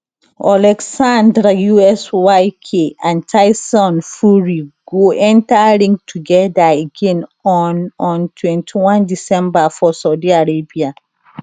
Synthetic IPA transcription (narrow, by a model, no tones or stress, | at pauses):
alɛksãndɾajuɛswajkʰeãntʰaɪsɔ̃nfuɹiɡoɛ̃ntaɹĩŋtʰuɡɛdaeɡɛ̃nɔnɔ̃ntʰwɛ̃ntʰiwãndisɛ̃mbafɔsaʊdiaɹebia